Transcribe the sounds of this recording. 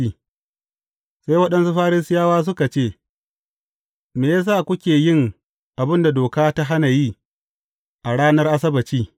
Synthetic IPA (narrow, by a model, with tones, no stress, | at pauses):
i˦ | sa˦jwɐ˦ɗɐ˦nsu˦ɸaː˦ɾɪ˦sɪ˦jaː˦waː˦s̬ʊ˦ka˨t͡ʃeː˦˨ | meː˨ja˦s̬aː˦˨kʷʊ˦kʲeː˨jɪ˦ŋ | ʔa˨bɪ˦nda˨doː˨kaː˦ta˦ɦa˦na˨ji˦ | ʔa˨ɽaː˦nɐ˦rʔa˦sɐ˦bɐ˨t͡ʃiː˦